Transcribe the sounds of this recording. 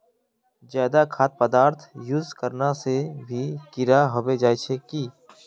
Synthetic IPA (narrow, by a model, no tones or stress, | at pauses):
d͡ʒjaːd̪akʰaːt̪̚pəd̪aːɾt̪ʰjʊzkəɾnasebʱikɪɾaɦɐʋed͡ʒaːjt͡ʃʰekiː